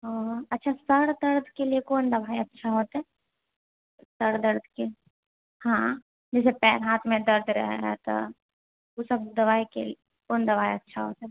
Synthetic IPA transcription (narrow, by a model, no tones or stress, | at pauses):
ɦãɐtːʃʰasɐɾd̪ɐɾd̪ʱkelijekoːnd̪ɐbaːiɐtːʃʰaɦoːt̪ɦɛː | sɐɾd̪ɐɾd̪̚ʱke | hã | d͡ʒɛːsepɛːɾɦaːt̪ʰmẽd̪ɐɾd̪ʱɾɛ̰ɦɛ̰t̪o̰ | ʊsɐb̚d̪ɐʋaːikḛ | koːnd̪ɐʋaːiɐtːʃʰaɦo̰ːt̪ɦɛ